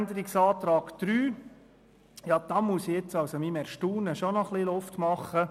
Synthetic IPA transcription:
nd̪əɾɪksɑːt̪ɾɑːɡ̥d̪̥ɾyː | jɑd̥̪ɑmusiet͡sɑwsomimɛɾʃtuːnəʃonɔχlilʊft̪mɑχːə

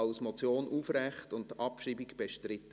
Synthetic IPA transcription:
ɑʊsmɔt͡sjoːnʔuːfrɛχtʊnt̚tɑpʃriːbikb̥eʃtɾɪtː

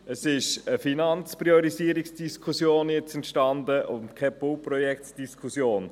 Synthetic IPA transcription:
əsɪʃəfinɑnt͡spɾiɔɾisiəɾiksd̥iskʰusjoːnjɛt͡sɛntʃtɑndəʔʊntkʰɛpolprɔjɛktd̥iskʰusjoːn

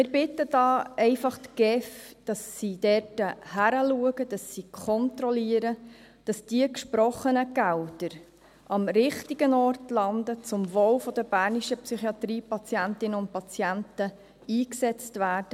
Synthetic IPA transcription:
mɪɾbɪtːəd̥ɑːɛɪfɑχt̪ɡ̥ɛfd̥ɑsːidɛrtəhæɾəluəɡəd̥ɑsːikʰɔntɾɔliəɾə | d̥ɑsd̥iəkʃpɾɔχənəɡ̥æwdəɾ | ʔɑmɾɪχtiɡənɔrtlɑnd̪ət͡sʊmvowfɔd̥̪əb̥æːɾniʃəpsyχiɑt̪ɾiːpɑt͡sjæntɪnəʊnt̚pɑt͡sjæntə | iːksɛt͡stvæːrd̥ə

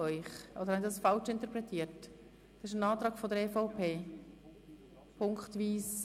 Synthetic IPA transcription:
œʏχodəɾhɑnɪdɑsfɑlt͡ʃɪntəɾpɾɛtʰiːət | d̪̥ɑsɪʃənɑːt̪ɾɑːɡfɔd̪əɾɛːfaʊpʰeː | pʰʊŋkχtviːs

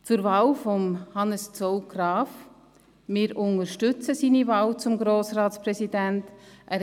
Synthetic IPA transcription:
t͡sʊɾvɑːlfɔmhɑnəst͡sɔwɡ̥rɑːf | mɪːɾʔʊnəɾʃtʏt͡səsiːnivɑːwt͡sʊmɡɾoːsrɑːtsprɛsidæntʔæ

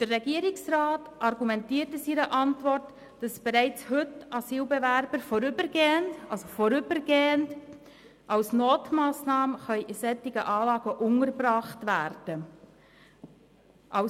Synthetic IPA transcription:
d̥ərːɛɡiəɾɪksɾɑːt | ɑrɡumɛntiːəɾtəsiɾəʔɑntʋɔrt | d̥ɑsb̥ɛɾæɪt͡shɵtɑsiːlbɛvæɾbəɾfɔɾʏbəɾɡeːəndɑlsofɔɾʏbəɾɡeːənd | ʔɑwsnoːtmɑːsnɑːməχœʏʔɪsɛtːɪɡəʔɑːlɑːɡəʔʊŋəɾbrɑːχtvæːɾd̥ə | ʔɑʊ

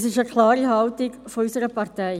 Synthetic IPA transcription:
sɪʃəkʰlɑːɾihɑʊtɪɡfoysəɾəpɑʁtɛɪ

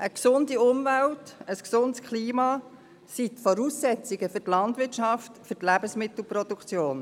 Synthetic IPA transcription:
ʔəksʊndiʊmvæltəsksʊntskχliːmɑː | sitfɔɾuːsːɛt͡sɪɡ̥əfʏtlɑntʋɪtʃɑftfʏɾtlæb̥əsmɪtl̩pɾɔd̥ukʰt͡sjoːn

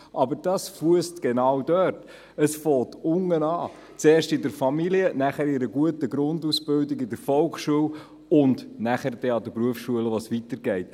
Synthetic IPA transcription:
ʔɑbəɾd̥ɑsfuəstɡ̥enɑwdœɾt | əsfɔːtʊŋːənɑː | t͡seːrʃtɪdəɾfɑmiliənæχəɾɪɾəɡuətəɡɾʊndusb̥ɪldɪɡɪdəɾfɔlkχʃuəw | ʊndnæχəɾdɛɑdəpɾuəfsʃuələʋosʋitəɾɡɛɪt

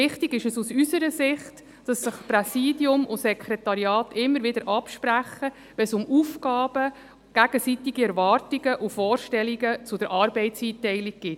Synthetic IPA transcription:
ɪχtiɡɪʃəsusysəɾəsɪχt | d̥ɑsːɪχprɛsiːdjʊmʔʊsɛkʰɾɛtɑɾiɑːtɪmːəɾʋɪd̥əɾʔɑpʃpɾæχə | ʋɛsʊmufɡɑːb̥ə | ɡ̥æɡ̥əsitiɡ̥iɛɾvɑːrtiɡəʔufɔːɾʃtɛliɡət͡sʊd̥əɾʔɑːɾbɛɪtsiːtɛɪliɡ̚ɡ̥ɪt

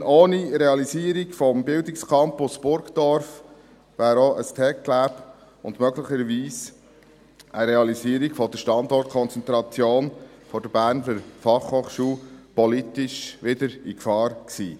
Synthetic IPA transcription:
ʔoːniɾeɑliziəɾiɡfɔmbɪldɪkskʰɑmpʊsb̥ʊɾɡd̥̪ɔɾf | ʋæːɾoʔəstʰɛkklæːb | ʊ̰ndmœɡləχəɾʋiːs | əɾeɑliziːəɾiɡ̥fɔd̥əʃtɑnd̪ɔrt̚kʰɔnt͡sɛnt̪ɾɑt͡sjoːnfɔɾd̥əbæːɾnləɾfɑχhoːχʃuːlpɔlit̪ɪʃʋɪd̥̪əɾikfɑːɾksḭː

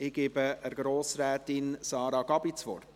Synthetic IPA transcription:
ɪɡ̥eːbəəɾɡɾoːsɾɛːtɪnsɑːɾɑɡɑbit͡sʋɔ̰rt

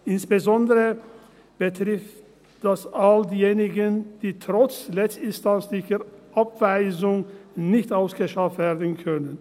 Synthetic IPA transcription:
ʔɪnsb̥əzɔndəʁə | b̥ətʁɪftt | d̥asaldiːjeːnɪɡənd̥iːtʁ̥ɔt͡slɛstɪnstant͡slɪçɐʁʔapv̥aɪzʊŋnɪçtaʊsɡ̥əʃaftv̥eːɐdn̩kʰœnən

